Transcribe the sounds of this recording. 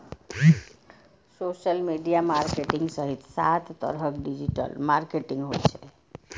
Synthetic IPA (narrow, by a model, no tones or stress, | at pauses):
soːʃəlmiɖijamaːɾkeʈɪ̃ŋɡsəɦit̪saːt̪ʰːə̰ɾɦəkɖid͡ʒiʈə̰lmaːɾkeʈɪ̃ŋɡɦot͡ʃʰe